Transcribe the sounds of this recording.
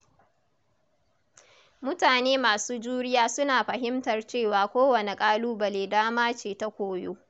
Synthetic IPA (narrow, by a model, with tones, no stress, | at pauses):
mʊ˦taː˨neː˦maː˨suː˦d͡ʒuː˦ɽɪ˦jaː˦sʊ˦naː˨ɸɐ˨ɦɪ˦mtɐ˨rt͡ʃeː˦˨waː˨kʷoː˦wɐ˨ne˨kʼaː˦luː˦bɐ˨leː˨daː˦maː˦t͡ʃeː˨ta˦kʷoː˨joː˦